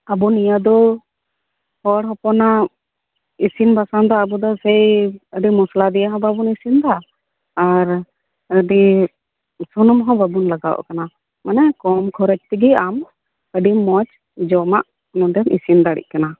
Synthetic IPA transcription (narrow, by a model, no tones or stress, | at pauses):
abɔnijad̪ɔ | hɔɽɦɔpɔna | isinbasand̪aːbɔd̪ɔsɛjəɖimɔslad̪ɛjaɦɔ̃babunisind̪aː | ɾ | əɖi | sunɔmɦɔ̃babunlaɡa̰wɔ̰ʔkana | manɛkɔmkʰɔɾɛt͡ʃ̚t̪iɡiam | əɖimɔt͡ʃ | d͡ʒɔma̰ʔ | nɔdɛnḭsind̪aɽḭʔ̚kana